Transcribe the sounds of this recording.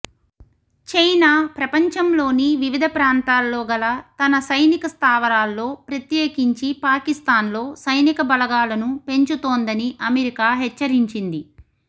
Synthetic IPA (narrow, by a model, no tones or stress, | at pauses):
t͡ʃejnaːpɾɐpɐɲt͡ʃɐmlo̞ːniʋiʋid̪ʱɐpɾaːnt̪aːlːoːɡɐlɐt̪ɐnɐsɐjnikɐst̪ʰaːʋɐɾaːlːo̞ːpɾɐt̪jeːkiɲt͡ʃipaːkist̪aːnlo̞ːsɐjnikɐbɐlɐɡaːlɐnupe̞ɲt͡ʃut̪oːnd̪ɐniʔɐmeɾikaːɦɛt͡ʃːɐɾiɲt͡ʃind̪i